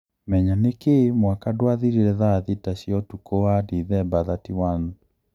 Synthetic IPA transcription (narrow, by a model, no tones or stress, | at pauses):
mɛɲanekemwakadwaðiɾiɾɛðaðitaɕjɔtukoadiðɛbaðatiwanu